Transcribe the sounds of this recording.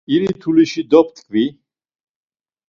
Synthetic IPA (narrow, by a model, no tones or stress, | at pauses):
iɾit̪ʰuliʃid̪ɔp̚ʰt̪kʰvi